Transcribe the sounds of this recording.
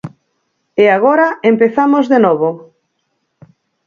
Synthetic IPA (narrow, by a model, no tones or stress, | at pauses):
eaɣɔɾaempeθamozðenɔβo